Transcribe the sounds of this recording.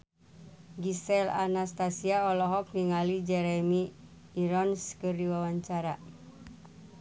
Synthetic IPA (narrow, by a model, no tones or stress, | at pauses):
ɡisɛlanast̪asiaɔlɔɦɔk̚niŋalid͡ʒɛɾɛmiː | ɾɔnskɨrdiwawaɲt͡ʃaɾa